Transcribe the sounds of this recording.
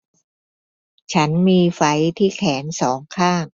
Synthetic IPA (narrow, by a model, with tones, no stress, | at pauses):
t͡ɕʰa˦˥nmiː˧fa˩˦˥jt̪ʰiː˥˩kʰɛː˩˦nsɔː˩˦ŋkʰaː˥˩ŋ